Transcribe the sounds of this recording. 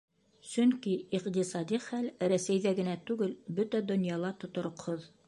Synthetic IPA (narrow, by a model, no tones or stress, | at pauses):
sɵŋkiiqt̪isɑd̪iχælɾæsæjðæɡɘ̆næt̪ʉɡɘlbɵt̪æd̪ŏnjɑlˠɑt̪ŏt̪ŏɾŏqhoð